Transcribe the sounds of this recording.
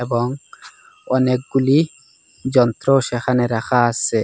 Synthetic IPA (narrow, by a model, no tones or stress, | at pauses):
ebɔŋ | ɔnek̚ɡuli | d͡ʒɔnt̪ɾoʃexaneɾaxaːsːe